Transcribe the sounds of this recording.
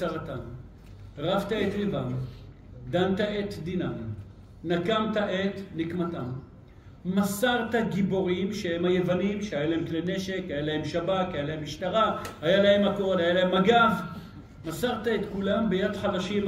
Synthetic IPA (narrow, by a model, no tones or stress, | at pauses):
aʁat̪am | ʁavt̪aet̪evam | d̪ant̪aet̪d̪inam | nakamt̪aʔet̪nikmatamː | asaʁt̪aɡibo̞ʁimʃehemhaje̞vanimʃehajalaemklene̞ʃe̞khajalaɦemʃabakhajalaɦemiʃtaʁahajalahe̞mako̞dajalaemaɡav | masaʁt̪aet̪kulambejadχalaʃim